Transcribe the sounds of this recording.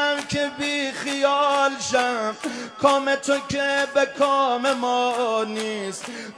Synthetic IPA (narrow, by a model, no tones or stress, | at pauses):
mkʰebixijɒːlʃæmkʰɔːmet̪ʰokʰebekʰɔmemɔːniːst̪